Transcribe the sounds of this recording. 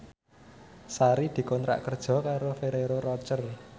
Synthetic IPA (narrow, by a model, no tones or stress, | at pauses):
saɾid̪̥i̤kɔnt̪ɾa̰ʔkərd̥ʒ̥ɔ̤kaɾofeɾeɾorɔt͡ʃər